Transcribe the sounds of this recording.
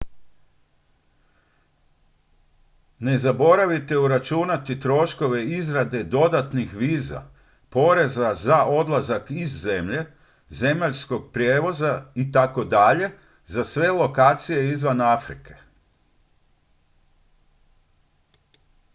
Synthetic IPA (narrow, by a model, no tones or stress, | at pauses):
ne̞zabo̞ɾaʋit̪e̞uɾat͡ʃunat̪it̪ɾo̞ʃko̞ʋe̞izɾad̪e̞d̪o̞d̪at̪nixʋiːza̰ | po̞ɾe̞zazaʔo̞d̪lˠazakizːe̞mʎe̞ | ze̞maʎsko̞ɡ̚pɾjeːʋo̞zait̪ako̞d̪aʎe̞ | zasʋe̞lo̞kaːt̪sije̞izʋanafɾḭke̞̥